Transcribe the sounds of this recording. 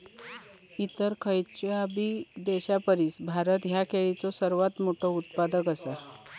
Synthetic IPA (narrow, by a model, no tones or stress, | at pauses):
it̪əɾkʰəjt͡ɕjabiːd̪eɕapəɾiːsbʱaɾət̪ɦjakʰeɭit͡sɔsəɾʋat̪moʈʰout̪pad̪əkəsa